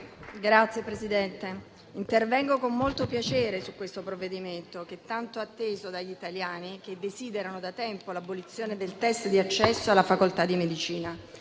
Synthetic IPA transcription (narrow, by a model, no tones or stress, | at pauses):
ɡɾat̪sːjepɾezid̪ɛnt̪e | int̪ervɛŋɡokomːolt̪opjat͡ʃeːɾesukːwest̪opɾovːed̪iment̪ok̟et̪ːant̪oat̪ːeːzod̪aʎːit̪aljaːnik̟ed̪ːeziːd̪eɾanod̪at̪ɛmpolabːolit̪sːjoːned̪elt̪ɛst̪d̪iat͡ʃːɛsːoalːafakolt̪ad̪ːimed̪it͡ʃiːna